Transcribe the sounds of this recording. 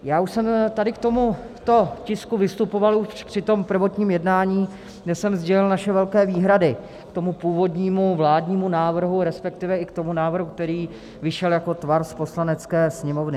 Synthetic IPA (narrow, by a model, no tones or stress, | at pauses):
jaːuʃsɛmt̪adɪk̚t̪o̞mu | t̪o̞cɪskuvɪst̪upo̞valuʃpr̥ɪt̪o̞mpr̩vo̞t̪ɲiːmjɛdnaːɲiː | ɡdɛsɛmzɟɛlɪlnaʃɛvɛlkɛːviːɦɾadɪ | kt̪o̞mupuːvo̞dɲiːmuvlaːdɲiːmunaːvr̩ɦuɾɛspɛk̚t̪ɪvɛʔɪkt̪o̞munaːvr̩ɦuk̚t̪ɛɾiː | vɪʃɛljako̞t̪vaɾspo̞slanɛt͡skɛːsɲɛmovnɪ